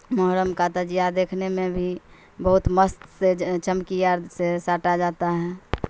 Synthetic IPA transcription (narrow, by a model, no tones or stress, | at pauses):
məɦɾəmkaːt̪ad͡ʒiad̪eːkʰnemẽbʱi | bəɦut̪məst̪set͡ʃəmkijaɾsesaːʈad͡ʒaːt̪aɦɛ̃